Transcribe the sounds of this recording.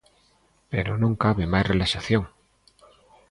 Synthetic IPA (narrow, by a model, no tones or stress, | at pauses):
pḛɾonõŋkaβemajsrelaʃaθjoŋ